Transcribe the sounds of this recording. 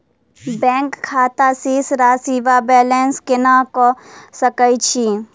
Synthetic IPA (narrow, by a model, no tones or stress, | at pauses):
bɛ̃ːŋkkʰːaːt̪asisɾaːsiːʋabɛːlenskɪnakɔsəkəjt͡ʃʰi